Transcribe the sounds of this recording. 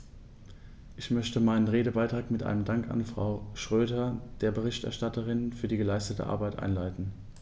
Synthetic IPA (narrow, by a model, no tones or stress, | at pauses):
ʔɪçmœçtəmaɪnənʁeːdəbaɪtʁ̥aːkmɪtʔa̰ɪnəmdaŋka̰nfʁ̥a̰ʊʃʁ̥øːdɐd̥eːɐbəʁ̞ɪçtɛ̰ɐʃtatʰəʁɪnfyːɐdiːɡəlaɪstətə̰ʔa̰ɐbaɪtʔa̰ɪnlaɪtn̩